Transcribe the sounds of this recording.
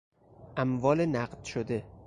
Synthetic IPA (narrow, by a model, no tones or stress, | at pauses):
ʔæmvɒːlenæɢd̪̥ʃod̪e̞